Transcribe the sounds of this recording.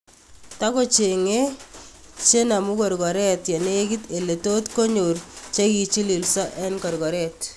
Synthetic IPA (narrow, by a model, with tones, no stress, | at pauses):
ta˦ko˦t͡ʃe˨ŋe˦ | t͡ʃe˦na˨mʊ˦kɔ˨ɾɡɔ˨ɾɛ˦tjɛ˨ne˦ki˦te˨le˨to˦tko˦ɲo˨ɾt͡ʃe˦ki˨t͡ʃi˦li˨lsɔ˦ʔɛ˦nkɔ˨ɾɡɔ˨ɾɛ˨t